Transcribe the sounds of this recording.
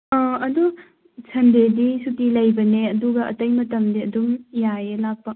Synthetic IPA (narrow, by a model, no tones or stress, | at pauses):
ɔɐdu | sʰɐndedisutilɐjbɐneɐduɡɐʔɐ̰tɐjmɐtɐmdiɐdumjajelak̚pɐ